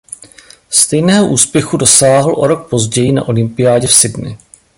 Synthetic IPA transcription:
st̪ɛjnɛːɦoʔuːspjɛxudo̞saːɦl̩ʔo̞ɾo̞k̚po̞zɟɛjɪna̰ʔo̞lɪmpɪjaːɟɛfsɪdnɪ̰

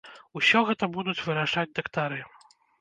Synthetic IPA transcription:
usʲɔɣɛt̪ɐbud̪ut͡sʲvɨɾaʂad͡zʲd̪ɐkt̪aɾɨ

